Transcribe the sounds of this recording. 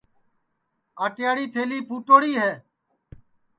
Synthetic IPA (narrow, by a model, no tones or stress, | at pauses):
aːʈɪjaːɽiːt̪ʰeːliːpʰuːʈoːɽiːɦeː